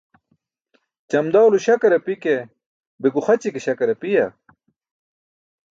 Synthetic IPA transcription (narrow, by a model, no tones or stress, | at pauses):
t͡ɕɐmd̪awluɕɐkɐɾɐpike | beɡuxɐt͡ɕikeɕɐkɐɾɐpijɐ